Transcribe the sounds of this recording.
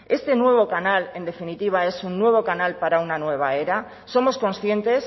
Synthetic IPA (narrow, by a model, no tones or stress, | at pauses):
e̞st̪e̞nwe̞βo̞kanale̞nd̪e̞finit̪iβ̞ae̞sunːwe̞β̞o̞kanalpaɾaunanwe̞β̞ae̞ɾa | so̞mo̞sko̞nsθje̞nt̪e̞s